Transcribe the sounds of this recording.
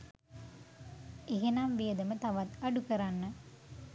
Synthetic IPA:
eɦenaːmʋijəd̪ɐmət̪ɐʋɐt̪ɐɖukɐɾanːə

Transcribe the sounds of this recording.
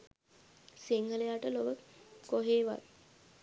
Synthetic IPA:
siŋɡəlejaʈəloʋəkoɦeːʋa̰t̪

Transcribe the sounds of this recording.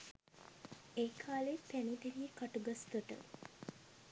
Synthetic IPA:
eːkʰaːlepænid̪eɾijəkaʈuɡasɡəʈə̰

